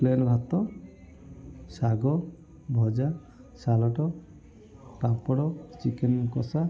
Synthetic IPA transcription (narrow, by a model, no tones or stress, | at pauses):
plenɔbʱat̪ɔ | saɡɔ | bʱɔd͡ʒa | salɔʈɔ | papɔɽɔt͡ʃikenkɔsa